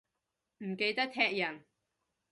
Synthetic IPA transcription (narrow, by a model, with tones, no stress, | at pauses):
m̩˨˩ke˧jt̪ɐ˥k̚t̪ʰɛː˥k̚jɐ˨˩n